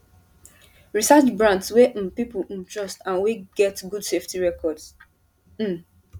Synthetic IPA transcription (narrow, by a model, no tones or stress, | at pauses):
ɹisat͡ʃbɹãntswẽpipũtɹɔstãnweɡ̥ɛtɡudseftiɹɛkɔds̩